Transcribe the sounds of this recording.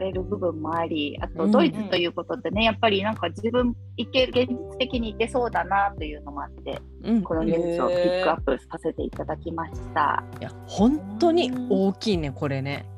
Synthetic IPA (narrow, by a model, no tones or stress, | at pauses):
ɾe̞ɾɯ̟bɯ̟bɯ̟̃mːo̞aɾʲia̰t̪o̞d̪o̞it͡sɨ̥t̪o̞jɯ̟ːko̞t̪o̞d̪e̞ne̞japːaɾʲinãŋkad͡ʑibɯ̟̃m | it̪ːeɡẽ̞ɲ̟d͡ʑit͡sɨ̥t̪e̞kʲiɲ̟iːt̪ːe̞so̞ːd̪anat̪o̞jɯ̟ːno̞moat̪ːe̞̰ | ko̞no̞ɲʲeːsio̞ppʲikːɯ̟apːɯ̟ɾɯ̟ssase̞t̪e̞̰ḭt̪ad̪akʲimaɕi̥t̪a̰ja | hõ̞nt̪o̞ɲ̟ioːkʲiːne̞ko̞ɾe̞ne